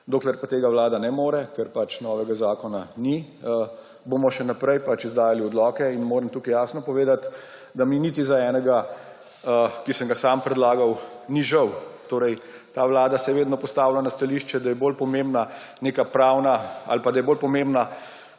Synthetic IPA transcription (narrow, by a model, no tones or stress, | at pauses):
d̪oːklɛɾpat̪eːɡawlaːd̪anɛmoːɾɛkɛɾpat͡ʃnɔːʋɛɡazaːkɔnani | ə | bomɔʃɛnapɾɛjpat͡ʃizd̪aːjaliɔd̪lɔːkɛinmoːɾəmt̪uːkijaːsnɔpɔʋeːd̪at̪d̪aminiːt̪izaɛːnɛɡa | əkisəŋɡasaːmpɾɛd̪laːɡawniʒəwt̪oːɾɛj | t̪aːwlaːd̪asɛʋeːd̪nɔpɔst̪aːwlanast̪aliʃt͡ʃɛd̪ajɛbolpɔmeːmbna | neːkapɾaːwnaa̰lpad̪ajɛboːlpɔmembna